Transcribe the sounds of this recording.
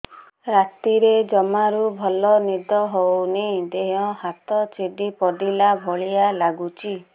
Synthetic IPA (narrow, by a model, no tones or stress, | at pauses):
ɾat̪iɾed͡ʒɔmaɾubʱɔlɔnid̪ɔɦonid̪eɦɔ̃hat̪ɔt͡ʃeɖipɔd̪ilabʱɔɭijalaɡut͡ʃʰi